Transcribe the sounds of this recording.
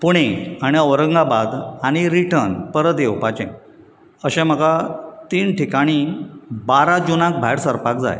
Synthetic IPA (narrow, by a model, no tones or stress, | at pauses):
puɽ̃eaɽ̃iəʋɾəŋɡabad̪aɽ̃iɾiʈəɾnpəɾəd̪ewpat͡ɕḛ̃ | əɕɛ̃m̤əɡat̪iːnʈikaɽ̃ibaɾad͡ʑunãk̚bʱajɽsəɾpak̚d͡za̰j